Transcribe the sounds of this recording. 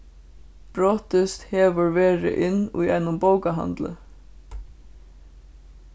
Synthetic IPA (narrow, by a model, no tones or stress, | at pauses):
b̥ɹoːt̪əst̪heːʋəɹʋeːɹə̰ʔɪnṵːjɛnʊmboʊɡəɦɑ̰nd̪lə̰